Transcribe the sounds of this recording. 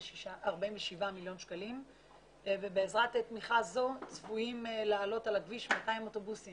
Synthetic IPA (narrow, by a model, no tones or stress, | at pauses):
ʃiʃaaʁbaiɱveʃivamiljo̞nʃkalim | vebeːzʁatetmiχazo̞t͡svuimelaːlo̞talaɡviʃmataimo̞to̞busim